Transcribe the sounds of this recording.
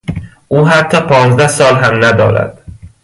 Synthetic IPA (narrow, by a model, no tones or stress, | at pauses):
ʔuːɦæt̪ʰːɒːpʰɒːnzd̪æhsɒːlɦæmnæd̪ɒ̰ːɾæ̰d̪̥